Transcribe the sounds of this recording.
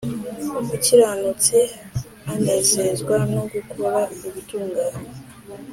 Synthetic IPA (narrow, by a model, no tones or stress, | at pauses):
uciɾaːnut͡se | andasezɡwanoɡukʰoɾauβituːŋɡaːɲe